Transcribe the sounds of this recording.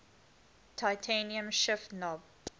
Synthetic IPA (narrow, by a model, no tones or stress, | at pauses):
tʰaɪtʰẽniə̃mʃɪfnɔb̚